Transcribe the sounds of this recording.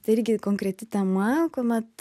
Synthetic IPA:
t̪ɪɾʲɡʲɪkoŋkɾʲɛt̪ʲɪt̪ɐmakʊmɐt̪

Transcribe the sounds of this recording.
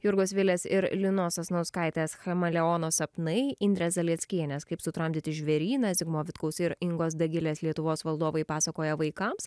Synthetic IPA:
jʊɾɡosʋʲɪlʲeːsɪɾlʲɪnoːsɐsnɐʊskɑɪt̪ʲeːsxɐmɐlʲɛoːnoːsɐpnɐɪɪnʲd̪ʲɾʲɛːsd̪ɐlʲiɛt̪sʲkʲiɛnʲɛskɐɪpsʊt̪ɾɐmʲd̪ʲɪt̪ʲɪʒʲʋʲɛɾʲiːnɐzʲɪɡmoːʋʲɪt̪kɐʊsɪɾɪŋɡoːsd̪ɐɡʲɪlʲeːslʲiɛt̪ʊʋoːsʋɐlˠd̪oːʋɐɪpɑːsɐkoːjɛʋɐɪkɐms

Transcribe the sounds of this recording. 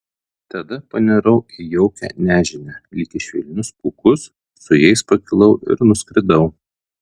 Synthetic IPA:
t̪ɐd̪ɐpɐnʲɛɾɐʊijɛʊkʲɛ̰ːnʲæːʒʲɪnʲɛlʲiːkʲɪʃʲʋʲḭlʲnʲʊskukʊsː | ʊjɛɪspɐkʲɪlˠɐʊʔɪ̰ɾnʊsʲkʲɾʲɪd̪ɐʊ

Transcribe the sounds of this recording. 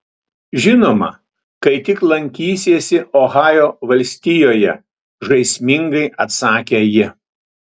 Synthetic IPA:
ʒʲɪnoːmɐ̰ | kɐɪt̪ʲɪklˠɐŋʲkʲiːsʲeːsʲɪʔɔːɣɑːjoːʋɐlʲsʲt̪ʲɪjoːjɛ | ʒɐɪsʲmʲɪŋɡɐɪʔɐt̪sɑːkʲeːjɪ

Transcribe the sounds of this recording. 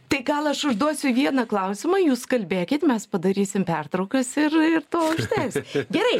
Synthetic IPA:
t̪ɐɪɡɐlˠɐʃʊʒd̪uɔsʲʊʋʲiɛnɐklˠɐʊsʲɪmɐjuːskɐlʲbʲeːkʲɪt̪mʲɛspɐd̪ɐɾʲiːsʲɪmpʲɛrt̪ɾɐʊkɐsɪrɪrt̪oːʊʃʲt̪ʲæsɡʲɛɾɐɪ

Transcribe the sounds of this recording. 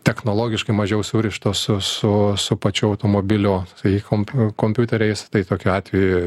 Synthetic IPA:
t̪ʲɛxnoːlˠoːɡʲɪʃkɐɪmɐʒʲɛʊsuːɾʲɪʃt̪oːsʊsʊsʊpɐt͡ʃʲuːɐʊt̪oːmoːbʲɪlʲoːɐikompʲkoːmʲpʲuːt̪ʲɛɾʲɛɪst̪ɐɪt̪oːkʲʊɑːt̪ʲʋʲɛjʊ

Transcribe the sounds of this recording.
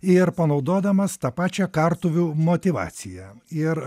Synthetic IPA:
ɪɾpɐnɐʊd̪oːd̪ɐmɐst̪ɑːpɑːt͡ʃʲɛkɑrt̪ʊʋʲumot̪ʲɪʋɑ̰ːt̪sʲɪjɛɪɾ

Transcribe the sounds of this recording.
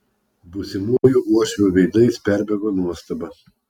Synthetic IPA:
busʲɪmujuʔuɔʃʲʋʲuːʋʲɛɪd̪ɐɪspʲæɾʲbʲɛɡoːnuɔst̪ɐbɐ

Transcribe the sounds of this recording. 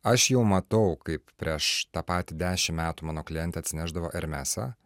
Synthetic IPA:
ɐʃjɛʊmɐt̪ɐʊkɐɪppʲɾʲiɛʃt̪ɑːpɑːt̪ʲid̪ʲæːʃʲɪmmʲæːt̪umɑːnoːklʲɪjɛnʲt̪ʲɛːɐt̪sʲɪnʲæʒd̪ɐʋoːʔɛɾʲmʲæːsɑ̰

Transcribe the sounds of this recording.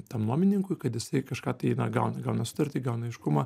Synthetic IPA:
t̪ɐmnoɔmʲɪnʲɪŋkʊɪkɐt̪jɪsɐɪkɐʃkɑːt̪ɐɪnɐɡɐʊnɐɡɐʊnɐsʊ̥t̪ɐɾʲt̪ʲiːɡɐʊnɐɪʃkʊmɐ

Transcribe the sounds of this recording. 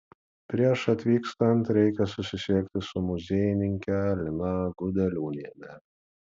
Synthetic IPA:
pʲɾʲiɛʃɐt̪ʲʋʲiːkst̪ɐnt̪ɾʲɛɪkʲɛsʊsʲɪsʲiɛkʲt̪ʲɪsʊmʊzʲeːjɪnʲɪŋʲkʲɛlʲɪnɑɡʊd̪ʲɛlʲuːnʲiɛmʲɛ

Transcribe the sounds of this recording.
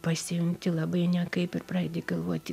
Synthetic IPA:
pɐsʲɪjʊŋʲt̪ʲɪlˠɑbɐɪnʲɛkɐɪpɪrpɾɐɛɪd̪ʲeɡɐlˠʋuɔt̪ʲɪ

